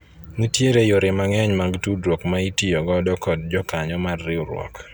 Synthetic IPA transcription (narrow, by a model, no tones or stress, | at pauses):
nitjeɾejoɾɪmaŋɛɲmaɡtudɾokmaitijɔɡɔdɔkɔd̚d͡ʒɔkaɲɔmarːɪʊɾwɔ̰k